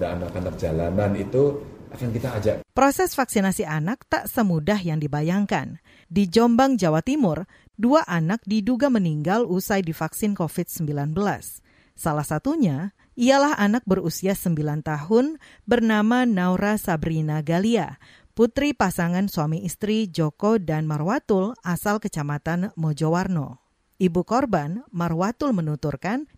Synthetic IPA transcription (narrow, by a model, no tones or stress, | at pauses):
daanakanak̚d͡ʒalamanit̪uʔakankit̪aːd͡ʒapɾosɛsfaksinasianak̚t̪aʔsəmudahjaŋdibajaŋka̰n | did͡ʒɔmbaŋd͡ʒawat̪imʊr | duaʔanak̚diduɡaməniŋɡalusajdifaksɪnkofɪt̪̚səmbilanbəla̰sː | alahsat̪uɲa | ialahanak̚bərusiasəmbilant̪aɦʊn | bərnamanauɾasabɾinaɡalia | put̪ɾipasaŋansuamiist̪ɾid͡ʒokodanmarwat̪ʊlasalkət͡ʃamat̪anmod͡ʒowarno | ʔibukɔrbanmarwat̪ʊlmənut̪urkan